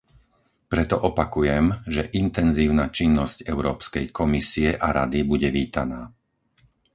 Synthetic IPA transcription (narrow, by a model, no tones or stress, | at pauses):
pɾɛt̪ɔʔɔpakujɛmʒɛʔint̪ɛnziːʊnat͡ʃinːɔscɛʊɾɔːpskɛjkɔmisiɛʔaɾa̰d̪ibuɟɛʋiːt̪anaː